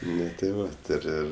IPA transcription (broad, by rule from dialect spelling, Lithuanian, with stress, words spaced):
ˈnʊ tʲeː ˈʋɐ tʲɪ ɪr ˈɪr